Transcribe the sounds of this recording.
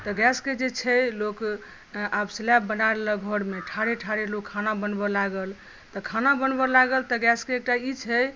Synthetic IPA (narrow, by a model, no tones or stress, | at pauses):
t̪əɡɛsked͡ʒet͡ʃʰəlok | abslɛpbənaɾeləɡʱəɽmeʈʰaɾeʈʰaɾelokkʰːanabənbɔlaɡəl | t̪ɔkʰanabənbɔlaɡəlt̪əɡɛskeːk̚ʈait͡ʃʰə